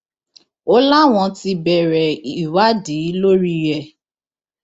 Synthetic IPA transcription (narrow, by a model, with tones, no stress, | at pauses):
o˦la˦w̃ɔ̃˧ti˧bɛ˨ɾɛ˨i˨wa˦di˨˦lo˦ɾi˧jɛ˧˨